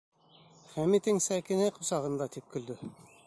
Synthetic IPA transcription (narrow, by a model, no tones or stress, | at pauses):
χæmit̪ɘŋsækɘ̆næqusɑʁɤ̆nd̪ɑt̪ip̚kɵ̆ld̪ɵ